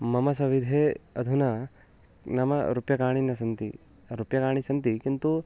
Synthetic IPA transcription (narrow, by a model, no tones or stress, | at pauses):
mɐmɐsɐʋid̪ʱeːɐd̪ʱunɐ | nɐmɐ̰ɾupjɐkaːɳ̃inɐsɐnt̪ḭ | ɾupjɐkaːɳ̃isɐnt̪ikint̪u